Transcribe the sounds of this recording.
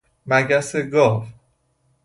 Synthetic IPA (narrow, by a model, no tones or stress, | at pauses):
mæɡæseɡɒːv